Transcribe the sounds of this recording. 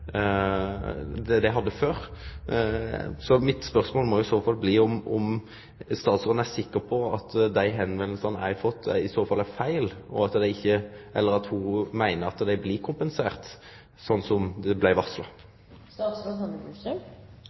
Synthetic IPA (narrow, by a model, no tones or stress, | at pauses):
d̪ɛd̪ɛɪɦɑd̪ːəføːɾ | sɔmɪt̪spœʁsmoːlmɔjʊɪsoːfɑlbliːʊmʔɔ̰m | st̪ɑːt̪sɾoːd̪n̩æsɪkːəpʰɔɑt̪d̪æɪɦɛnʋɛnlsɑnæɪfɔt̪ʰːɪsoːfɑlːæfæɪlɔ̰ɑt̪d̪æɪçːəʔɛlːəɾɑt̪humæɪnəɾɑt̪d̪æɪbliːkʰʊmpənseːʁt̪ | sɔnːsɔmd̪ɛblæɪʋɑslɑ̰ | st̪ɑːt̪sɾoːhɑsə